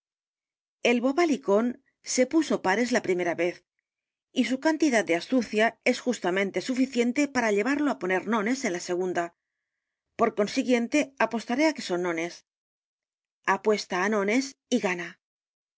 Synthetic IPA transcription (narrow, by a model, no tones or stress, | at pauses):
e̞lβoβaliko̞n | se̞puso̞paɾe̞zlapɾime̞ɾaβe̞θ | isukant̪iðat̪̚d̪east̪uθjae̞sxust̪amẽ̞nt̪e̞sufiθje̞nt̪e̞paɾaʎe̞β̞aɾlo̞apo̞ne̞ɾnõ̞ne̞se̞nlase̞ɣ̞und̪a | po̞ɾko̞nsiɣje̞nt̪e̞apo̞st̪aɾe̞ake̞so̞nːõ̞ne̞s | apwe̞st̪aːnõ̞ne̞siɣana